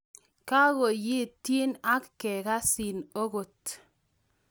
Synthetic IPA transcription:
ka˦ɣo˨jɪ˦ti˦na˦kːɛ˨ka˦si˨no˦ɣo˨t

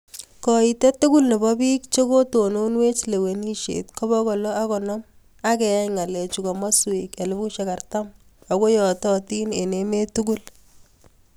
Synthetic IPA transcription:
kɔ˨i˨tɛ˦tu˦ku˦lne˨bɔ˦bi˦kt͡ʃo˦ko˦to˨no˦nwe˦t͡ʃle˨we˨ni˦ʃḛtkɔ˦bɔ˦kɔ˨lɔ˦a˦kɔ˨nɔ˦m | a˦kɛ˨a˦ŋa˨lɛ˨t͡ʃu˨ka˨mɔ˦swika˨lɪ˦bu˦ʃe˨ka˨rta˦m | ɔ˨ko˦jɔ˨tɔ˦ti˦ne˨neme˦tuku˦l

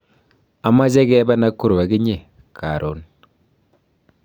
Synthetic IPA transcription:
a˨ma˦t͡ʃɛ˦kɛ˦ba˦na˦kːu˦ɾwa˨kɪ˦ɲe˨ | kʰa˨ɾo˨n

